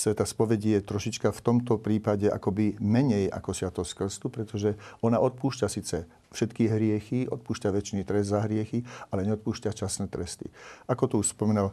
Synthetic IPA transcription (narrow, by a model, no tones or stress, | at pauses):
sʋɛt̪aspɔʋɛɟijɛt̪ɾɔʃit͡ʃkaft̪ɔmt̪ɔpɾiːpaɟɛʔa̰kɔbimɛɲɛjʔa̰kɔsɪat̪ɔskr̩st̪upɾɛt̪ɔʒɛɔnaʔɔt̪̚puːʃcasiːt͡sɛ | fʃɛt̪kiɦɾɪɛxiʔɔ̰t̪̚puːʃcaʋɛt͡ʃniːt̪ɾɛzd̪zaɦɾɪɛxialɛɲɛɔt̪̚puːʃcat͡ʃasnɛːt̪ɾɛst̪ḭʔakɔt̪ɔuʃspɔmɛnal